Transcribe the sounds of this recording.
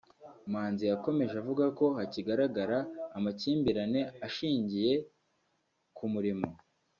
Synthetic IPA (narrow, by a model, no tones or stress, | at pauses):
maːnzijako̞me̞ʒavuɡako̞haciɡaɾaɡaɾaːmaciːmbiɾane̞aʃiːɲɟije̞ | kʰumuɾimo̞